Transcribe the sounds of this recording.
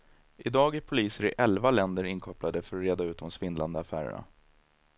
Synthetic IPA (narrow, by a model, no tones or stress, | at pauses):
ʔɪd̪ɑːɡæɾpʰʊliːsəɾɪʔɛlvalɛnd̪əɾɪnkʰɔplad̪əfœɾɔɾeːd̪aʉ̟ːt̪d̪ɔmsvɪnland̪əafæ̰ːɾə̰ɳa̰